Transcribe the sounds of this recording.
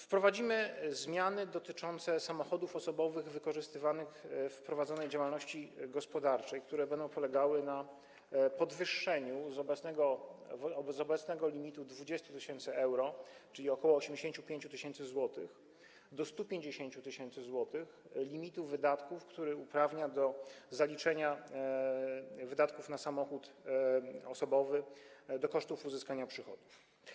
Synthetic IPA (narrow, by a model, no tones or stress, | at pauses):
fpɾɔvad͡ʑimɘzmʲjanɘd̪ɔt̪ɘt͡ʂɔnt̪sɛsamɔxɔd̪ufɔsɔbɔvɘɣvɘkɔʐɘst̪ɘvanɘxfpɾɔvad̪zɔnɛjd͡ʑawalnɔɕt͡ɕiɡɔspɔd̪aɾt͡ʂɛjk̚t̪uɾɛbɛnd̪ɔ̃w̃pɔlɛɡawɘna | pɔd̪vɘʂːɛɲuzɔbɛnɛɡɔvzɔbɛt̪snɛɡɔlʲimʲit̪ud̪vud͡ʑɛst̪ut̪ɘɕɛnt̪sɘɛwɾɔt͡ʂɘlʲiɔkɔwɔːɕemd͡ʑeɕẽɲt͡ɕupʲjeɲt͡ɕut̪ɘɕɛnt̪sɘzwɔt̪ɘx | d̪ɔst̪upʲjeɲd͡ʑeɕeɲt͡ɕut̪ɘɕɛnt̪sɘzwɔt̪ɘxlʲimʲit̪uvɘd̪at̪kufkt̪uɾɘupɾavɲad̪ɔzalʲit͡ʂɛɲa | vɘd̪at̪kufnasamɔxut̪ | ɔsɔbɔvɘd̪ɔkɔʂt̪ufuzɘskaɲapʂɘxɔd̪uf